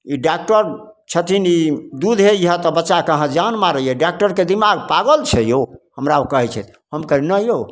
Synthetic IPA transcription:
iɖak̚ʈəɾ | t͡ʃʰət̪ʰinid̪ud̪ɦeiɦə̃t̪ɔbətːʃakəɦãd͡ʒanmaɾəjɛɖak̚ʈəɾked̪imaɡpaɡəlt͡ʃʰɛjohəmɾaokəɦɛt͡ʃʰɛt̪ʰ | həmkəinəjo

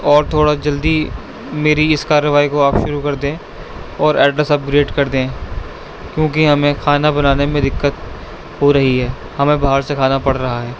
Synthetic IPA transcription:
ɔːɾt̪ʰoːɽad͡ʒɐld̪i | meːɾiɪskaːɾːəʋaːikoaːpʃʊɾukɐɾd̪ẽː | ɔːɾɛːɖɾəsɐp̚ɡɾeːʈkɐɾd̪ẽː | kjõːkiɦɐmẽkʰaːnabɐnaːnemẽd̪ɪkːət̪ | hoɾɐɦiɦɛː | hɐmẽbaɦəɾsekʰaːnapɐɽɾɐɦaɦɛː

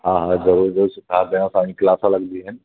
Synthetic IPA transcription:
ɦãːɦãzɐɾuːɾzəuɾsʊkʰaːɾd̪ɐjãsãːĩklaːsãlɐɡd̪iɦənɪ

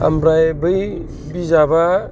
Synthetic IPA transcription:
a̰mbɾajbɯj | bizaba

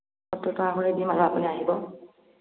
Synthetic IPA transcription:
ɔtːɔtɔaxɔɹedimalɔapuniaɦibɔ

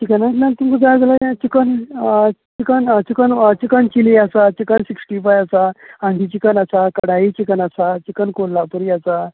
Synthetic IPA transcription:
t͡ɕikənasmalt̪umkud͡zad͡zalajãt͡ɕikən | t͡ɕikənt͡ɕikənt͡ɕikəɳt͡ɕiliasat͡ɕikənsiksʈifajasaãnd̪ʱit͡ɕikənasakəɽait͡ɕikənasat͡ɕikənkollːapuɾiasa

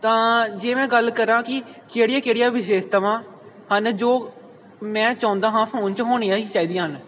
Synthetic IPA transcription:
t̪ãːd͡ʒeːmɛ̃ːɡəlkəɾãːkɪkeːɽɪjaːkeːɽijaːʋɪʃeːʃt̪əʋãː | hənd͡ʒoː | mɛ̃ːt͡ʃãːʊ̃nd̪aːɦãːpʰəõːnt͡ʃəɦoːɳ̃iːaːiːt͡ʃaːiːd̪iːɦən

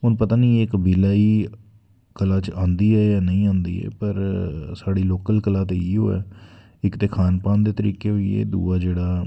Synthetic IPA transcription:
ɦʊnpət̪aːnĩːɪkbiːlaːiː | kəlaːt͡ʃãːnd̪iːɛːjaːnəĩːãːnd̪ḭːɛ̰ːpəɾsaːɽiːloːkəlkəlaːt̪eːiːɦo̰ːɛ̰ː | ɪkt̪eːkʰaːnpãːnd̪eːt̪əɾḭːkeːɦoiḛːd̪ṵːaːd͡ʒeːɽaː

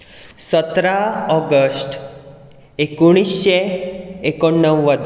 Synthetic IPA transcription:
sət̪ɾaɔɡəsʈ | ekuɽ̃isɕeekonːəʋʋəd̪

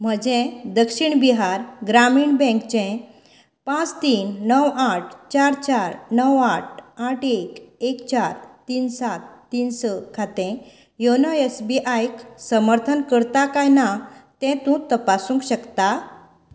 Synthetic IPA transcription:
m̤əd͡ʑɛ̃d̪əkɕiɳbiɦaɾɡɾamiɳbɛ̃kt͡ɕɛ̃ | pãt͡st̪iːnːəwaʈʰt͡ɕaɾt͡ɕaɾnəwaʈ̚ʰaʈekekt͡ɕaɾt̪iːnsat̪ːinsəkʰat̪ɛ̃ | jonɔesbiʔajksəməɾt̪ʰənkəɾt̪akajnat̪ɛ̃t̪ũt̪əpasũŋkɕəkt̪a

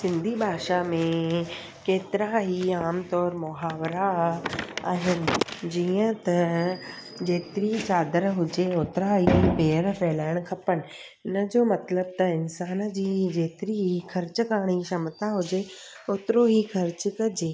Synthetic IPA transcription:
sɪ̃nd̪ʱibʱaːʃamẽ | keːt̪ɪɾaɦiaːmt̪ɔːɾmʊɦaːʋɾa | aːɦɪnɪ̆d͡ʑiːə̃t̪ɐ | d͡ʑeːt̪ɪɾit͡ɕaːd̪əɾɦʊd͡ʑeoːt̪ɪɾaɦipeːəɾfʰɛːlaːɪɽ̃̆kʰɐpənɪ̆ | ɪnə̆d͡ʑoːmɐt̪ləb̚t̪ɐɪnsaːnd͡ʑiːd͡ʑeːt̪ɪɾiɦixɐɾt͡ɕə̆kaːɽ̃iʃɐmət̪aɦʊd͡ʑe | oːt̪ɪɾoɦiːxɐɾt͡ɕ̆kɐd͡ʑeː

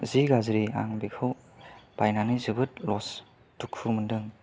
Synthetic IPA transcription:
ziɡazɾia̰ŋbikʰɯw | b̥ajnanizɯbɯt̚lɔs | tukʰumɯndɯŋ

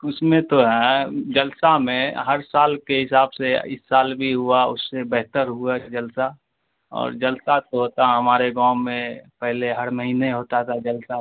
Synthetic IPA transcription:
ʊsmẽt̪oɦɛ̃d͡ʒəlsamẽɦəɾsaːlkeɦɪsaːbseɪ̰sːaːlbʱiɦuaʊ̰sːebɛɦt̪əɾɦuad͡ʒəlsa | ɔ̰ːɾd͡ʒəlsat̪oɦoːt̪aɦɛɦəmaːɾeɡãːmẽpɛɦleɦəɾməɦiːneɦoːt̪at̪ʰad͡ʒəlsa

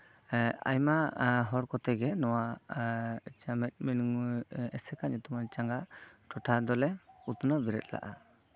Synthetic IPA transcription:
a̰jmaɦɔɾkɔt̪ɛɡɛnɔwa | t͡ʃamɛc̪̚ˀminuŋɛsɛkaɲut̪umant͡ʃaŋɡaʈɔʈʰad̪ɔlɛut̪unabiɾɛ̰t̪̚la̰ʔa

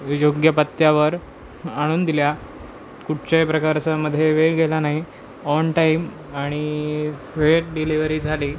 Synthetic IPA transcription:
joɡjəpət̪jaʋəɾ | aɽ̃uːnd̪ilja | kuʈ̚t͡ɕepɾəkaɾt͡saməd̪ʱːjeʋeɡelanaɦi | ɔnʈaim | aɽ̃i | ʋeʈ̚ɖiliʋəɾiːd͡zʱaliː

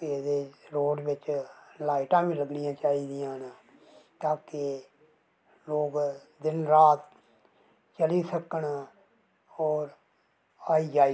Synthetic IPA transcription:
ed̪eːɾoːɖʋɪt͡ʃlaːɪʈãːʋĩːləɡnɪjãːt͡ʃaːiːd̪ɪjãːn | t̪aːke | loːɡd̪ɪnɾaːt̪ | t͡ʃəliːsəkəɳ | ɔːɾ | aːiːd͡ʒaːi

